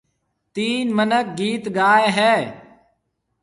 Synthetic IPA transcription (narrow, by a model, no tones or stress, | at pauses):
t̪iːnmənək̚ɡiːt̪ɡaːeɦɛː